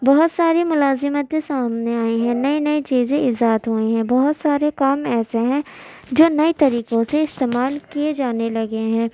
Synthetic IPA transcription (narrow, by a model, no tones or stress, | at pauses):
bɐɦʊt̪saːɾimʊlaːzɪmət̪ẽsaːmneaːeɦɛ̃nɐinɐit͡ʃiːzẽɪzaːət̪ɦueɦɛ̃bɐɦʊt̪saːɾekaːmɛːseɦɛ̃d͡ʒoːnɐit̪ɐɾiːqõseɪst̪eːmaːlkied͡ʒaːnelɐɡeɦɛ̃ː